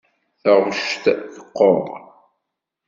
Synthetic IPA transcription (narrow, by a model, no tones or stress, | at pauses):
θəʁʃt̪θə̥qːo̰ɾ